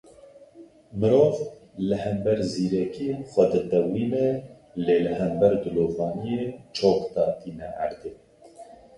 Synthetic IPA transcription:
mɨɾoːv | lɨhɛmbɛɾziːɾɛkixʷɛd̪ɨd̪ɛwiːnɛ | leːləɦɛmbɛɾd̪ɨloːvɑːnijeːt͡ʃʰoːkt̪ɑːt̪iːnɛʕa̰ɾd̪eː

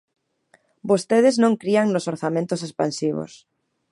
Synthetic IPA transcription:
bost̪eð̞eznõŋkɾiaŋnosoɾθamẽnt̪osespã̰nsiβ̞o̰s

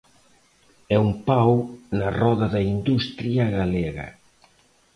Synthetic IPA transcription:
ɛumpawnɐrɔðɐðɐind̪ust̪ɾjaɣaleɣɐ̰

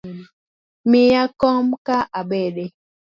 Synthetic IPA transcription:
mijakɔmkaʔaɓɛɗɛ

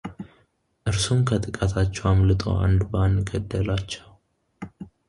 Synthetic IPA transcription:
ʔɨɾsumkʰət̪ʼɨkʼat̪ʰat͡ʃːɛwamlɨt̪ʼo̰ʔa̰nd̪banːɡəd̪ːəlat͡ʃːɛw

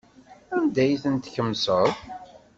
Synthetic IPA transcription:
ænd̪æjθənt̪çəmsəðˤ

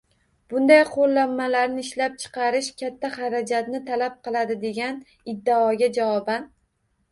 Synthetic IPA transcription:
b̥ʊnd̪ajqʰolˠːamːalaɾnɪɪʃlap̚t͡ʃʰɨ̥qʰɑɾɪʃkʲʰat̪ʰːaχɑɾad͡ʒat̪nɪt̪ʰalap̚qɨlˠad̪ɪd̪e̞ɡʲan | ɪd̪ːaɒɡʲad͡ʒavɒban

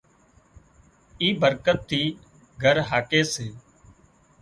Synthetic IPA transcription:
iːbəɾkət̪ʰːiː | ɡʱəɾɦaːkeːseː

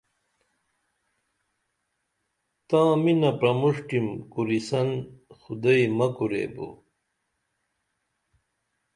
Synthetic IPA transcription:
t̪ãːminɐpɾɐmuʂʈimkuɾisɐnxud̪ɐjmɐkuɾḛːbṵ

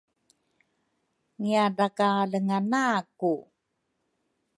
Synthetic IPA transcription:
ŋiadakaləŋanaku

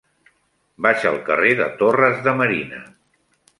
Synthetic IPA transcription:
baʃəlˠkəreðə̰t̪orəzðəməɾinə

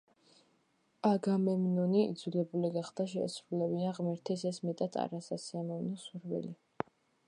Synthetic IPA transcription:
aɡamɛmnɔniḭd̪zulɛbuliɡaχd̪aʃɛ̰sɾulɛbiaʁmɛɾt̪ʰɛsɛsmɛt̪ʼat̪ʰa̰ɾasasiamɔvnɔsuɾvḭli

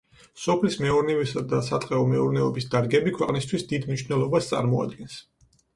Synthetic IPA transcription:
sɔpʰlismɛɔɾnivisad̪asat̪ʼqʼɛɔmɛuɾnɛɔbisd̪aɾɡɛbikʰwɛqʼnist̪ʰwisd̪id̪mniʃvnɛlˠɔbast̪sʼa̰ɾmɔa̰d̪ɡɛns

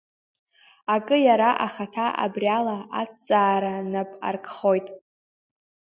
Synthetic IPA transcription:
akʼɨjaɾaʔaχatʰaʔa̰brjalaat͡sʼaːɾanapʼa̰rkʰʼχo̞jtʼ

